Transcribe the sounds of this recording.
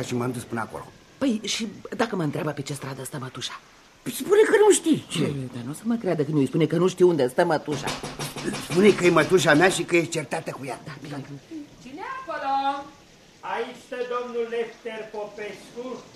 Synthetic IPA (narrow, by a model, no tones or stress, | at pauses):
aʃimat̪uspunəa̰ko̰lo̰ | pəjʃid̪akəməɨnt̪ɾeabəpet͡ʃest̪ɾad̪əst̪əmət̪uʃḁ | spunekənuʃt̪it͡ʃed̪anosəməkɾead̪əkɨnjojspunekənuʃt̪iund̪est̪əmət̪uʃa̰spunekəjemət̪uʃ̬ameaʃikəjet͡ʃert̪at̪əkujad̪a | t͡ʃineapəɾə | ait͡ʃʲst̪əd̪omnulːeft̪erpopesku